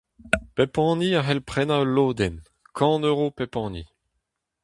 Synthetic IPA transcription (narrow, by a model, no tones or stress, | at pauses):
pepɑ̃ːniaɦɛlpχɛnaøloːd̪ɛn | kʰɑ̃nøʁopepɑ̃ːnḭ